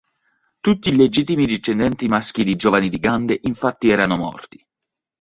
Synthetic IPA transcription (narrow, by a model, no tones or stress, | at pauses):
t̪ut̪ːiled͡ʒit̪ːimid̪it͡ʃːɛnd̪ɛnt̪imask̟id̪id͡ʒɔvanid̪iɡand̪eʔiɱfat̪ːiɛːɾanomɔ̰rt̪i̥